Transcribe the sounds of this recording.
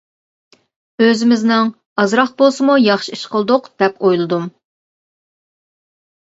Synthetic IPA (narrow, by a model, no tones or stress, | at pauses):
øzɪmɪznɪŋ | ɑzɾɑχbolˠsɨmujɑχʃiiʃqʰəlˠd̪ʊqd̪̥ɛpojlˠɨd̪um